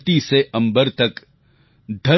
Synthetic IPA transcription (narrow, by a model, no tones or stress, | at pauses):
t̪iseɐ̃mbəɾt̪ɐk | d̪ʱɐ